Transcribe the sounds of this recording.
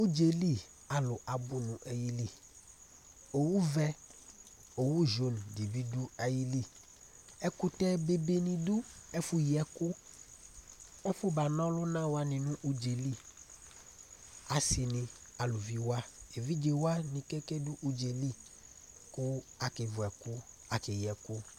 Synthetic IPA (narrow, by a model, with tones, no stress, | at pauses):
u˦d͡ʒe˨li˦ | a˨lʊ˨ʔa˨bʊ˦nʊ̃˨ʔɛ˨ji˦li˦˨ | o˨wu˦vɛ˦ | o˨wu˦ʒo˨˦n˨di˨bi˦du˦a˨ji˦li˦˨ | ɛ˦kʊ˦tɛ˦be˨be˨nĩ˨dʊ˦ɛ˦fʊ˦ji˨ɛ˨kʊ˦ | ɔ˦fʊ˦ba˨nɔ̃˦lʊ˦nã˦wa˦nɪ̃˨nʊ̃˦ʔu˦d͡ʒe˨li˦ | a˨sɪ˨nɪ̃˨ | a˨lʊ˨vi˦wa˦e˨vi˦d͡ʒe˨wa˦nĩ˨kɛ˦kɛ˦dʊ˦ʔu˦d͡ʒe˨li˦ | kʊ˦a˨kɪ˨vʊ˨ɛ˨kʊ˦ | a˨kɪ˨jɛ˨kʊ˦